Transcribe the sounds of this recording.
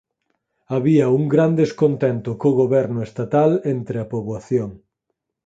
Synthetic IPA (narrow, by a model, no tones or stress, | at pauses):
aβiɐuŋɡɾand̪eskont̪ɛnt̪ʊkoɣoβɛɾnʊest̪at̪alent̪ɾɪɐpoβwaθjoŋ